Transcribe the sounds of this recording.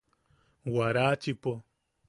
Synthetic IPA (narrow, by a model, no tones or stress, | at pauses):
waɾat͡ʃipɔ